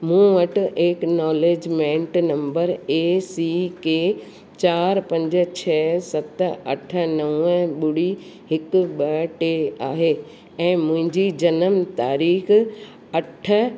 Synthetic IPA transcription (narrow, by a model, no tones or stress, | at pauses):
mũːʋɐʈʔeːknɔːleːd͡ʑmẽːɳʈnɐ̃mbəɾeːsiːkeː | t͡ɕaːɾpɐ̃ɲd͡ʑ̆t͡ɕʰɛːsɐt̪ɐ̰ʈʰə̆nɐʋə̃ɓʊɽi | ɦɪkɓɐʈeaːɦeː | ɛ̃ːmʊ̃ɦɪ̃ɲd͡ʑid͡ʑɐnəmt̪aːɾiːx | ɐʈʰə̆